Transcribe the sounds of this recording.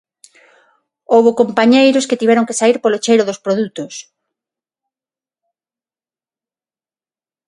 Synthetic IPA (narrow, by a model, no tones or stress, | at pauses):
owβokompaɲejɾʊsket̪iβɛɾoŋkesaiɾpolot͡ʃejɾoðʊspɾoðut̪ʊs